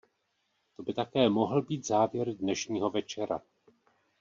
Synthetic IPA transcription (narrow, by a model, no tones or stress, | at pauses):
t̪o̞bɪt̪akɛːmo̞ɦl̩biːt̪zaːvjɛɾdnɛʃɲiːɦo̞vɛt͡ʃɛɾa̰